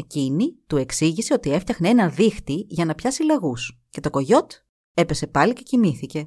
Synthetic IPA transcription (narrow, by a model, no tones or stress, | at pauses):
ecinit̪ue̞ksiʝise̞o̞t̪ie̞ft̪ɐxneenɐðixt̪iʝɐnɐpçɐsileɣus | ce̞t̪o̞ko̞ʝo̞t̪ | e̞pe̞se̞pɐlice̞cimiθice̞